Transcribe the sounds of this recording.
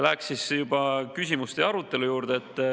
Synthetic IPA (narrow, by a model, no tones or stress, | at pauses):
læksisjub̥ɑkysʲimust̪eɑɾut̪ːˑe̞lujuːɾd̪̥eet̪ːˑ